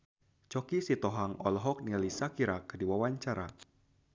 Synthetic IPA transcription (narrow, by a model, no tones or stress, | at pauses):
t͡ʃɔkisit̪ɔɦaŋɔlɦɔk̚nilisakiɾakədiwawaɲt͡ʃaɾa̰